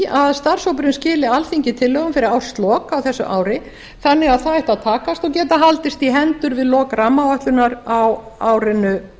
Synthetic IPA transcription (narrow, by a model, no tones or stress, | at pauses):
aðst̪ar̥sowpɾɪnscɪːlɪalθiɲcɪt̪ʰɪlːœɣʏmfɪɾɪɾawst̪lɔːkawθɛsːʏ̰ʔa̰ːwɾɪ | θanːɪɣaðθaðɛht̪aðt̪ʰaːkast̪ɔɣcɛːt̪aɦalt̪ɪst̪iɦɛnt̪ʏɾvɪðlɔːkramːavaht̪lʏnaɾawaːwɾɪnʏ